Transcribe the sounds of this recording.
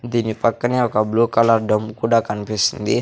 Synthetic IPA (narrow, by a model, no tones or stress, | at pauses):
d̪inipakːaniakablukalardəmkudakanpesnd̪i